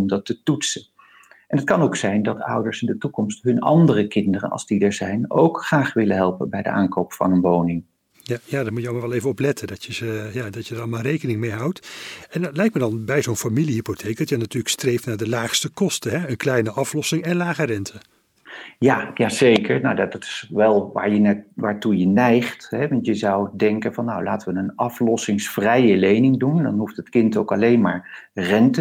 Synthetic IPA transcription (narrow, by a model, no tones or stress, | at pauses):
mdɑtətutsə | ʔɛnɦətkɑnoʊksɛjndɑtʌ̰wdəɹsɪndətukɔmstɦɵnɑ̰ndərəkɪndərə̰nɑ̰lˠzdidəɹzɛjno̰wkχraːχʋɪlənɦɛlˠpənbɛjdə̰ʔa̰ːŋkowpfɑ̰nənʋownɪŋ | jajaːdamujəomaɹʋɛlˠejvəɔplɛtʰədɑtəzəjadɑcjədaɾlˠmaːrejkənɪŋmejɦɑwtɛnlɛjk̚mədɑnbɛjzownfamiliɦipotʰejk̚dɑtənːatyːləkstrejftnaːɹdəlaːχstəkɔstəɦɛənklɛjnəʔɑflɔsɪŋɛnlaːχərɛntʰə | jajazejkəɹnawdɑttɪ̥sʋɛlˠʋa̰ːɹjənʋaːɹtujənɛjχtɦɛʋɑntjəzɑwdɛŋkənvɑnːawla̰ːtəʋənənɑflɔsɪŋsfrɛjəlejnɪŋdundɑ̰nɦuftətkɪntowkɑlejnmaːɹrɛntə